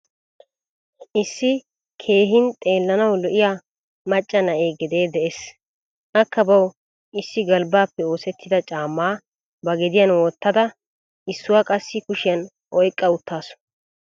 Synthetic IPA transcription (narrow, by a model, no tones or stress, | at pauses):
ʔɪsːɪ | kʰe̞ːɦɪnt̪ʼe̞ːlːɐnɐwlɔʔɪjaː | mɐt͡ʃʼːɐnɐʔeːɡɛd̪e̞ːd̪ɛʔes | ʔɐkːɐbɐw | ɪsːɪɡɐlbaːpːɛo̞ːsɛt̪ʰːɪd̪ɐt͡ʃʼaːmːaː | bɐɡɛd̪ɪjɐnwɔt̪ːɐd̪ɐ | ʔɪsːʊwaːkʼɐsːɪkʊʃɪjɐn | ʔɔjkʼːɐʊt̪ʰːaːsʊ̥